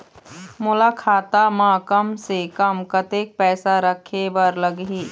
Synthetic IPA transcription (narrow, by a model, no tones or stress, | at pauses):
mʊlakʰaːt̪amãːkɐmsekɐmkɐt̪eːk̚pɛːsaɾəkʰebɐɾlɐɡɦiː